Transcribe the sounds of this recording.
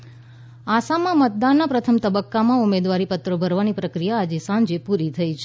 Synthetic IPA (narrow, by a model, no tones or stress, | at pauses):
asamãmət̪̚d̪anːapɾət̪ʰəmt̪əbəkːamãumed̪ʋaɾipət̪ɾobʱəɾʋanipɾəkɾijaːd͡ʒesãnd͡ʒepuɾit̪ʰəit͡ʃʰ